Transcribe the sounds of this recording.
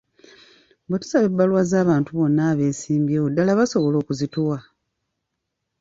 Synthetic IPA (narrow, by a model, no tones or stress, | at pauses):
bwetu̥saβebːaluwazaːβaːntuβo̞nːaːβe̞ːsiːmbjeːwodːalaβaso̞βo̞lo̞ːkuzituwa